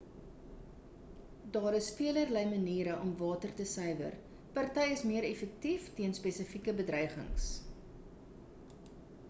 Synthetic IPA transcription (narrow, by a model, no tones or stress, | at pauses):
dɑːɾəsfiələrləjməniːɾəʔɔmvɑːtərtəsœjvə̰r | pɐrtɛjəsmiəɾefək̚tiftiənspesəfikəbədrœjχə̰ŋs